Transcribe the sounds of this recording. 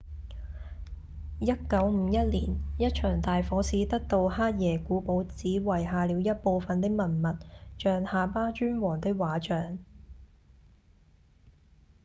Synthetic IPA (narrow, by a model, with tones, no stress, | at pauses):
jɐ˥t̚kɐ˨˥wm̩ː˨˧˥jɐ˥t̚liː˨˩njɐ˥t̚t͡ʃʰœː˨˩ŋt̪aː˨jfɔː˨˥siː˨˥t̪ɐ˥k̚t̪o˧whaː˥t̚jɛː˨˩kuː˨˥po˨˥wt͡siː˨˥wɐ˨˩jɦaː˨˧liː˨˧˥wjɐ˥t̚po˧wfɐ˧nt̪ɪ˥k̚mɐ˨˩nmɐ˨t̚t͡ʃœː˨ŋhaː˨paː˥t͡ʃyː˥nwɔː˨˩ŋt̪ɪ˥k̚waː˨˥t͡ʃœː˨ŋ